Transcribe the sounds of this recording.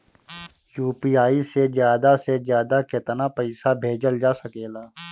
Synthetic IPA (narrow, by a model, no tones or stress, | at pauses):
juːpiːaːisezjaːd̪asezjaːd̪akɪt̪napəɪsabʱeːd͡ʒəld͡ʒaːsɐkeːlaː